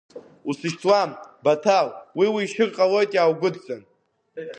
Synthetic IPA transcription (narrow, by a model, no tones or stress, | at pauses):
usɨʃt͡sʰwambatʰalwiwiːʃɨrqʼalo̞jtʼaːwɡʷʊdt͡sʼan